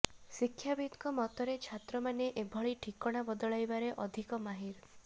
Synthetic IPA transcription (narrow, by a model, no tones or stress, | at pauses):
sikʰːjabid̪kɔmɔt̪ɔɾet͡ʃʰat̪ɾɔmaneʔebʱɔɭiʈʰikɔɽ̃abɔd̪ɔɭajbaɾeʔɔd̪ʱikɔmaɦiɾ